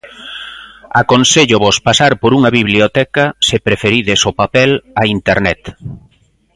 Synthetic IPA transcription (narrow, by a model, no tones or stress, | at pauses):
akonseʎʊβospasaɾpoɾuŋɐβiβliot̪ɛkɐsɪpɾefeɾiðesopapɛlaint̪eɾnɛt̪